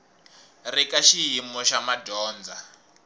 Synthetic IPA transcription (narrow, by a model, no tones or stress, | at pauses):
rikaʃiɦimɔʃamadɔːnd͡za